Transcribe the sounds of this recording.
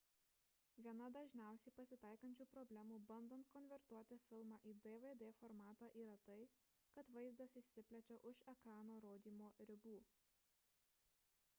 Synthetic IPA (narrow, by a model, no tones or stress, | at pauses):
ʋʲiɛnɐd̪ɐʒʲnʲæˑʊsʲɛɪpɐsʲɪt̪ɐˑɪkɐnʲt͡ʃʲuːpɾɔbʲlʲæmuːbɐnd̪ɐnt̪̚kɔnʲʋʲɛɾt̪uɔt̪ʲɪfʲɪlˠmɑːʔiːd̪eʋed̪eːfɔɾmɑːt̪ɑːʔiːɾɐt̪ɐɪ | kɐt̪ʋɐɪzd̪ɐsɪʃʲsʲɪpʲlʲɛt͡ʃʲoːʔʊʃɛkɾɑːnoːɾoːd̪ʲiːmoːɾʲɪbuː